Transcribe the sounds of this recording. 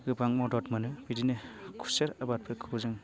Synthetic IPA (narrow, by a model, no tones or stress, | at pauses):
ɡɯbaŋmɔdɔtmɐnɯbidinɯkʰu̥seɾabat̚pʰɯkʰɯzɯŋ